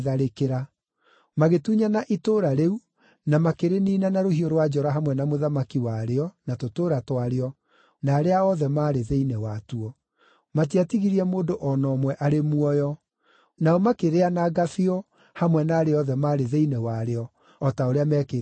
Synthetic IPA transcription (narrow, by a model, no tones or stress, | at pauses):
ðaɾekeɾa | maɣetuɲanaʔitoːɾaɾeu | namakeɾeniːnanaɾohioɾwad͡ʒɔɾaɦamwɛnamoðamakiwaɾeɔnatotoːɾatwaɾeɔ | naːɾeaɔðɛmaːɾeðeinɛwatuɔ | matiatiɣiɾiɛmoːdoʔɔnɔːmwɛʔaɾemuɔjɔ | naɔmakeɾeanaɡafiɔ | hamwɛnaːɾeɔðɛmaːɾeðeinɛwaɾeɔ | ɔtaoɾeamɛːke